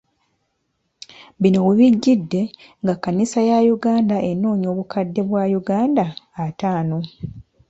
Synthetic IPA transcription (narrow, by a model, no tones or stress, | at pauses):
βino̞wuβiɟːidːe̞ | ŋɡakːanisajajuɡaːndaʔe̞nːoːɲo̞ːβukadːe̞βwaːjuɡaːndaːtaːno̞